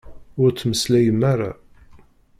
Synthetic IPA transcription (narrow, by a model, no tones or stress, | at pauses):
ʊɾt͡sːməslæjəmːaɾa̰